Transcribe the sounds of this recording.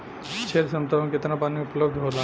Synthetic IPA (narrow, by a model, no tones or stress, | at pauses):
t͡ʃʰelsɐ̃mt̪aʋkɪt̪napaːniʊpləbd̪ɦoːla